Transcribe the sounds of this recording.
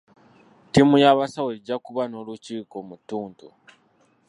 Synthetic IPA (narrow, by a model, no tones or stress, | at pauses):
timujaβasaweɟːakuβano̞ːluciːkomutːuːntu